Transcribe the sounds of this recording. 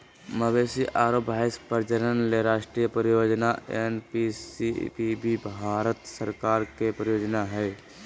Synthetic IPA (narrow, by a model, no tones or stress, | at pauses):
məbeːsiʔaːɾoːbʱaːɪspəɾd͡ʒəɾənleɾaːʃʈɾijəpɾəɾjoːd͡ʒnaenpisipibibʱaːɾət̪səɾkaːɾkepɾəjoːd͡ʒnaɦɛː